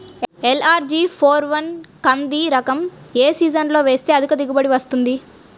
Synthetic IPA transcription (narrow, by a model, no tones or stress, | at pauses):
elaːɾd͡ʒiːpʰoːɾʋɐnkɐnd̪iɾɐkɐmeːsiːd͡ʒɐnlo̞ːʋe̞ːst̪eːɐd̪ukɐd̪iɡubɐɽiʋɐst̪und̪i